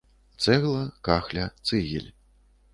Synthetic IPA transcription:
t̪sɛɣlˠɐkaxlʲɐt̪sɨɣʲḭlʲ

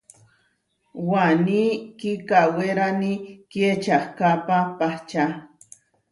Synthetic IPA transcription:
wanikikaweɾaniket͡ʃahkapapaht͡ʃa

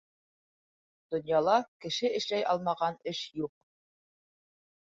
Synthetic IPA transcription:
d̪̥ŏnjɑlˠɑkɘ̆ʃɘɘ̆ʃlæjʔɑlˠmɑʁɑnɘʃjuq̚

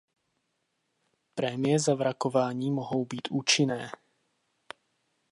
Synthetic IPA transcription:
pɾɛːmɪɛzavɾakɔʋaːɲiːmɔɦɔʊbicuːt͡ʃinɛː

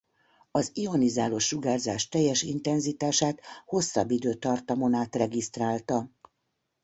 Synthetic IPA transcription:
ɒzio̞nizaːlo̞ʃːuɡaːrzaːʃt̪ɛjːɛʃint̪ɛnzit̪aːʃaːt̪ho̞sːɒ̰bːid̪øːt̪ɒrt̪ɒmonaːt̪rɛɡist̪raːlt̪ɒ

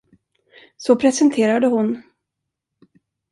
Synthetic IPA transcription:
sɔpʰɾɛsɛnt̪ʰeːɾad̪əɦʊn

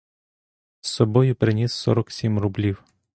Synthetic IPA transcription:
sːɔbɔjʊpɾɪnʲisːɔ̰ɾɔksʲimrʊblʲiw

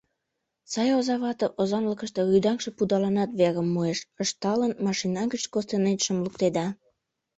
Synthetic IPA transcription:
sɑjozɑβɑt̪əʔozɑmləkə̆ʃt̪eɣyjd̪ɑŋʃĕpud̪ɑlɑnɑt̪βeɾə̆mːueʃəʃt̪ɑlənmɑʃinɑɡət͡ɕkost̪enet̪ʃə̆mlukt̪ed̪ɑ

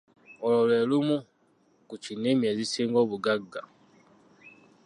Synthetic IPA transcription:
ololelumu | kut͡ʃinemjezisiːŋɡoːβuɡaɡːa

